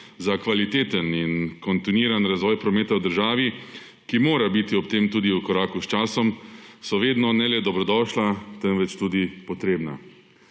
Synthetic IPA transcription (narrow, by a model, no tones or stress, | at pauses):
zakʋalit̪eːt̪əninkɔnt̪iniːɾanɾazʋɔːjpɾɔmeːt̪awd̪əɾʒaːʋi | kimoːɾabit̪iɔpt̪eːmt̪uːd̪iukɔɾaːkust͡ʃaːsɔmsɔʋeːd̪nɔnɛlɛd̪ɔbɾɔd̪ɔːʃlat̪ɛnʋɛt͡ʃt̪uːd̪ipɔt̪ɾeːbna̰